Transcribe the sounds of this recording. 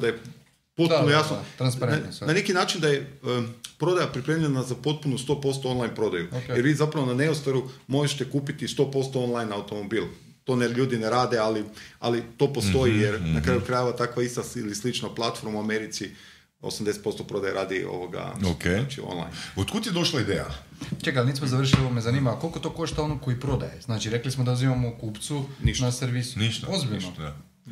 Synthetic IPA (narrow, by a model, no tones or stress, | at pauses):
d̪aje | po̞t̪punnojasnoɾnane̞kinaːt͡ʃind̪aje̞əpɾo̞d̪ajapɾipɾe̞mʎʲenazapo̞t̪̚punust̪o̞po̞st̪o̞onlˠajnpɾo̞d̪ajujeɾʋiːzapɾaʋo̞nane̞ost̪aɾumo̞ʒeʃt̪ekuːpit̪ist̪o̞po̞st̪o̞o̞nlajnawt̪o̞mo̞biːlˠ | t̪o̞ːneʎuːd̪ineɾaːd̪e̞alia̰lit̪o̞ːpo̞st̪o̞jijeɾnakɾaːjukɾajeʋat̪akʋaist̪ailislit͡ʃnaplˠat̪fo̞ɾmuameɾit̪si | o̰samd̪eset̪̚po̞st̪opɾo̞d̪ajeɾaːd̪io̰ʋoɡa̰okt͡ʃio̰nlˠa̰jnot̪kut̪ied̪o̞ʃlaid̪eːja̰ | t͡ʃekalniːsmozaʋr̩ʃilioomezaniːmako̞lkot̪oːko̞ʃt̪ao̞noko̞ipɾo̞d̪ajeznaːt͡ʃiɾeklismod̪auzimamokuːpt̪suninaseɾʋisu̥niozbiʎno